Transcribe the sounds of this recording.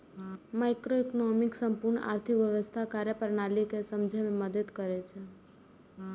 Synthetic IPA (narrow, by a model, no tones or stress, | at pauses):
maɪkɾoikonɔmiksəmpuɾɳ̰ʔa̰ɾt̪ʰikʋjəʋəst̪ʰakaɾjəpəɾnalikesəmd͡ʒʱɛmeməd̪əd̪kəɾɛt͡ʃʰɛ